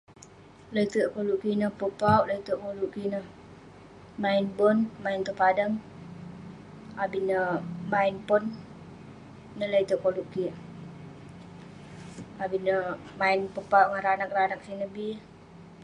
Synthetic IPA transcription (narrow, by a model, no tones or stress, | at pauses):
ləit̪uʔkoluʔkinəhpəpauʔləit̪əʔkoluʔkinəh | maɪnbɔnmaint̪əpadəŋ | abinəmaɪnpɔn | ələit̪uʔkoluʔki | abinəmaɪnpəpauʔŋəɾanak̚ranak̚sinəbi